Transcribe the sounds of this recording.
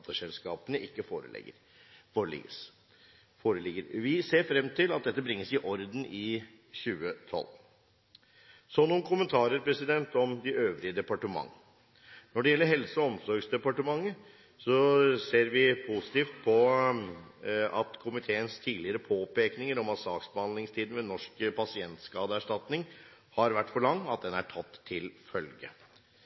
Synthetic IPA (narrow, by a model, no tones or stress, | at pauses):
t̪əʂɛlskɑːpənəʔɪkːəfoːɾə̰ə | oːəlɪ̰ɡəs | foːɾəlɪɡːəɾʋɪseːɾfɾɛmːt̪ʰɪlɑt̪̚d̪ɛt̪ːəbɾɪŋːəsɪʔɔɾd̪n̩ʔɪ | çʉːət̪ʰɔ̰lː | sɔnːɔmkʰʊmənt̪ʰɑːɾəɾpɾɛsɪd̪ɛnt̪ɔmd̪ɪøːʋɾɪəd̪ɛpɑʈəmɑ̰ŋː | nɔɖɛjɛlːəɾɦɛlsəɔɔmsɔɾɡsd̪ɛpɑʈəmɑŋːə | sɔseːɾʋɪpʰusɪ̥t̪iːft̪̚pʰɔ | ɑt̪kʰʊmɪt̪ʰeːənst̪ʰiːlɪəɾəpʰoːpeːknɪŋəɾɔmɑt̪sɑːksbəɑnd̪lɪŋst̪ʰiːd̪nʋɛnɔʂkpʰɑsɪɛnt̪skɑːd̪əæʂʈɑt̪nɪŋ | hɑɾʋæʈːfɔɭɑŋːɑt̪̚d̪ɛnæʈʰɑt̪ʰːɪlfœlɡə̰